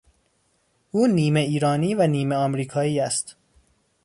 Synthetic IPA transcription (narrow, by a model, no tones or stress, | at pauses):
ʔuːniːme̞iːɾɒːniːvæniːme̞ɒːmɾiːkʰɒːiːæst̪